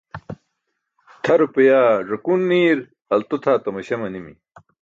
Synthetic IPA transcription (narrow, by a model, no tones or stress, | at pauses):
t̪ʰɐɾupɐjaːʐɐkunːiːɾ | ɐlt̪ut̪ʰaːt̪ɐmɐɕɐmɐnimḭ